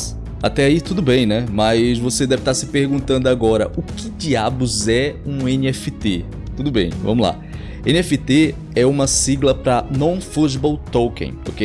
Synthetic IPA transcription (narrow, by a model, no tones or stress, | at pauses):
a̰t̪ɛait̪ud̪ʊbẽj̃nɛmɐjzvosed̪ɛvɪt̪aɾsɪpehɡũt̪ɐ̃nd̪ʊaɡɔɾɐ̰ʔʊkɪd͡ʒiabʊzɛũẽniɛfɪt̪e | t̪ud̪ʊbḛ̃j̃vɐ̰̃mʊzla̰ | ḛ̃niɛfɪt̪e | ɛũmɐsiɡlɐpɾɐnɐ̃w̃fuʒbowt̪owkḛ̃o̰kej